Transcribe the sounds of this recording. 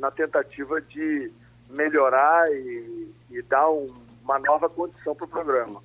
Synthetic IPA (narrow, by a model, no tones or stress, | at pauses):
nɐt̪ẽnt̪at͡ʃivɐd͡ʒɪ | meʎoɾaɪː | d̪aɾũ | mɐnɔvɐkõd͡ʒisɐ̃w̃pɾʊpɾoɡɾɐ̃mɐ